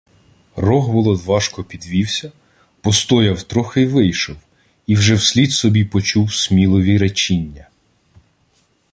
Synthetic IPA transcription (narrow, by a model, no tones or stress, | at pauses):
rɔɦbɔlˠɔd̪ʋɑʃkɔpʲid̪ʋʲiwsʲɐ | pɔst̪ɔjɐwt̪ɾɔxɪʋɪjʃɔw | iwʒɛwsʲlʲid̪sɔbʲipɔt͡ʃuwsʲmʲilˠɔʋʲiɾet͡ʃinʲːɐ